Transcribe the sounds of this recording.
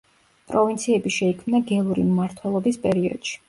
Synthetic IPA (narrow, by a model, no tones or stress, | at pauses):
pʼɾɔvint̪sʰiɛbiʃɛikʰmnaɡɛlˠuɾḭmmaɾt̪ʰwɛlˠɔbispʼɛɾiɔ̰d̪̥ʃi̥